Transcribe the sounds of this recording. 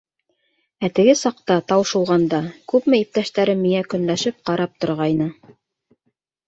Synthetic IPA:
æt̪ɘ̆ɡɘsɑqt̪ɑt̪ɑwɤʃŭwˠʁɑnd̪ɑkʉpmɘip̚t̪æʃt̪æɾɘmːiŋækɵ̆nlæʃɘp̚qɑɾɑp̚t̪ŏɾʁɑjnɤ

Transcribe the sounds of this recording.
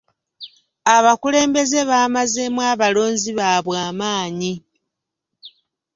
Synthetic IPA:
aβakule̞ːmbe̞ze̞βaːmaze̞mwaːβalo̞ːɲziβaːβwaːmaːɲi

